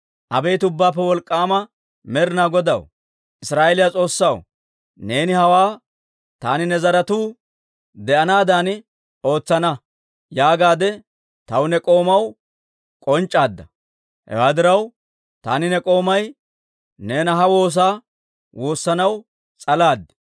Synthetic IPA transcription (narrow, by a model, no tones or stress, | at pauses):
ʔɐbɛjt̪ʊbːaːpːɛwɔlkʼːaːmɐ | mɛɾɪnaːɡɔd̪ɐ̰w | ʔɪsɾaːʔelɪjat͡sʼo̞ːsːɐw | ne̞ːnɪhɐwaː | t̪aːnɪnɛzɐɾɐt̪uː | d̪ɛʔɐnaːd̪aːn | ʔo̞ːt͡sːɐnɐ | jaːɡaːd̪ɛ | t̪ɐwnɛkʼo̞ːmɐw | kʼɔnt͡ʃʼːaːd̪ːɐ | hɛ̰waːd̪ɪɾɐw | t̪aːnɪnɛkʼo̞ːmɐj | ne̞ːnɐɦɐwo̞ːs̬aː | wo̞ːsːɐnɐw | t͡sʼɐlaːd̪ːɪ̥